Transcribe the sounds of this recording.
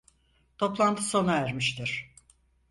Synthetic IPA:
t̪ʰo̞plˠant̪ʰɯso̞naæɾmiʃt̪ʰiɾ̥

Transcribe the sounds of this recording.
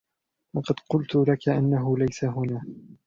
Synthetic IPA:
wɑqɑd̪qʊlt̪ʊlakaʔanːaɦʊlajsaɦʊnaː

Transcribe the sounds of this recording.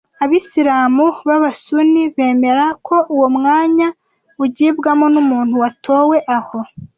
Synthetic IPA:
aβisiɾaːmuβaβasuniβe̞ːme̞ɾakʰo̞ʔuwomŋaːɲa | uɟiːbɡamo̞numuːn̥huwatʰo̞ːwe̞ʔaho̞

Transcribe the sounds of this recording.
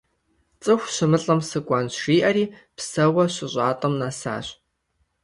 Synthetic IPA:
t͡sʼɨxʷʃɪmɨɬʼɐmsɨkʷʼɐnʃiːʔɐɾiːpsɐwɐɕɪɕʷʼaːtʼɐmnasa̰ːɕ

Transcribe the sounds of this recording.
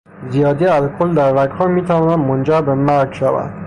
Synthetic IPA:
zijɒːd̪iæzkʰold̪æɾvækʰhɒːɾmiːt̪ʰævɒːnænd̪mond͡ʒæɾbemæɾɡʃævæ̰nd̪̥

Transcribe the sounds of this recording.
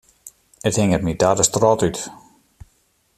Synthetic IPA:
əthɪŋətmidaːdəstrɔtyt

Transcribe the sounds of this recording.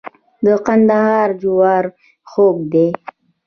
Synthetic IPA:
d̪əqand̪ahɑːɾd͡ʒʊwɑːɾ | xoːk̚d̪e

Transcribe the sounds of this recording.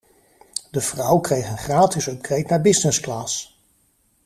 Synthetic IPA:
dəv̥rʌwkrejχənχraːtɪsɔp̚krejtnaːɹbɪsnɪsklaːs

